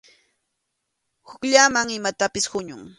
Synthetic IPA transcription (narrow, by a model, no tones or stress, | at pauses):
hʊkʎaːmaŋɪmat̪apɪshʊɲʊŋ